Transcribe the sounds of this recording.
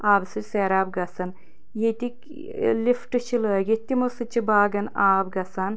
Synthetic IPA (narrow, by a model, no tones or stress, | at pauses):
aːbsɨseːɾaːbɡɐsɐn | jet̪ik | lifʈɨʃiləːɡet̪ʲimusɨt͡ʃibaːɡɐnaːbɡɐsan